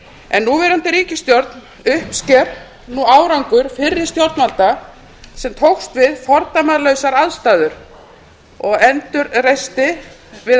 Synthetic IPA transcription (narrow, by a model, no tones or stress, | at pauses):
ɛnːuvɛɾant̪ɪɾiːcɪst̪jɔɾt̪n | ʏhpscɛɾ | nuaːwɾawŋkʏɾ̥fɪrːɪ̥st̪jɔɾt̪nalt̪a | sɛmt̪ʰowxst̪vɪðfɔɾt̪amaðlœɥsaɾaðst̪aːðʏɾ̥ | ɔɣɛnt̪ʏɾrejst̪ɪ | vɪ